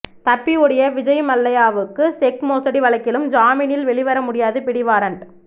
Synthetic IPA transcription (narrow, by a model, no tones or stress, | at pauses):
t̪ɐpːiɯɽɐjɐʋɪd͡ʒɐɪjmɐlːɐjaːʋɯkːɯsɛkmoːsɐɽiʋɐɭɐɪkːɪlɯmd͡ʒaːmɪnɪlʋɛɭɪʋɐɾɐmʊɽɪjaːðɯpɪɽɪʋaːɾɐɳ